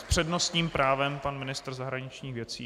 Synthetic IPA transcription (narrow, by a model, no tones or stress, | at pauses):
spr̝̥ɛdno̞st̪ɲiːmpɾaːvɛmpanmɪnɪst̪rzaɦɾaɲɪt͡ʃɲiːxvjɛt͡siː